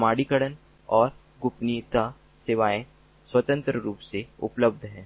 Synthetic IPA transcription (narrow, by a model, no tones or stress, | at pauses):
maːɽikəɽən | ɔːɾ | ɡʊpnit̪a | seːʋaːẽ | swɐt̪ə̃nt̪ɾəɾuːpseʊ̰pləb̚d̪ʱɦɛ̃ː